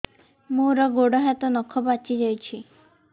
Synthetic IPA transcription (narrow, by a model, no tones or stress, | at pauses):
muɾɔɡoɽɔɦat̪ɔnɔkʰɔbat͡ʃid͡ʒajt͡ʃʰi